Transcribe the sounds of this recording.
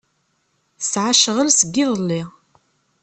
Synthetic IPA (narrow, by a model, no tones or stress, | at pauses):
θsʕaʃəʁəlsəɡːɪðˤəlːi